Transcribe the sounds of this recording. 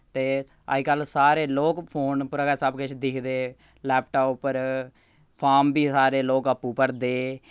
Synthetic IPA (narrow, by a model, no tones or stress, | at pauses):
t̪eː | a̰ikəlsaːɾeːloːkpʰoːnpʊɾaːɡəsəbkət͡ʃʰd̪ɪkʰd̪eː | lɛːp̚ʈoːpːəɾ | pʰaːmbiːsaːɾeːloːkəpːuːpəɾd̪eː